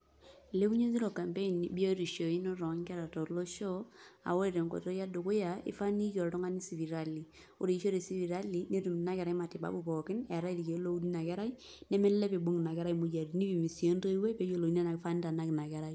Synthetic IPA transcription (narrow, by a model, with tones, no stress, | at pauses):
le˦bu˦ɲe˦zi˦ɾo˨ka˨mpe˦i˨n˨bi˦o˦ɾi˨ʃo˨i˦no˦ɾɔ˨˦ŋkɛ˦ɾa˨tɔ˨lo˦ʃɔ˦a̰˨wo˦ɾe˨ɾe˨ŋko̰˨to˦ja˦du˨kʊ˦ja˨ɪ̰˦fa˦ni˦jɔ˨tɔ˦ŋa˦ni˦si˨vi˨ɾa˦li˨ | o˦ɾe˨i˦ʃo˦ɾe˨si˦vi˨ɾa˦li˨ne˦tu˨mi˨na˦kɛ˨ɾa˦i˦ma˨tɪ˨ba̰˦bu˨pɔ˨kɪ˦nɛ˨ɾa˦i˦ɾi˨ke˨˦lo˦u˦di˦na˨kɛ˦ɾa˦i˦ | nɛ˦mɛ˦lɛ˦pe˨bo˦ŋ˨na˨kɛ˦ɾa˦i˨˦mu˨ja˨ɾi˨ni˦pi˨mi˨si˨o˦nto˦i˦we˦pe˨˦jo˨lo˨i˦na˦na˨kɪ˦fa˦n˦ta˨na˦kɪ˨na˨kɛ˦ɾa˦i˦